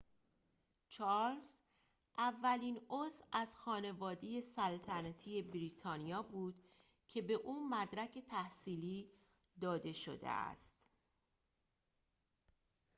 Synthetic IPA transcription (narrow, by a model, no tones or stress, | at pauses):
t͡ʃʰɒls | ʔævːæliːnozæzxɒːne̞vɒːd̪eje̞sælt̪ʰænæt̪ʰije̞bɾiːt̪ʰɒːnijɒːbuːd̪̥ | cʰe̞be̞ʔuːmæd̪ɾæcʰe̞t̪ʰæhsiːliː | d̪ɒːd̪e̞ʃo̞̰d̪ḛʔæ̰st̪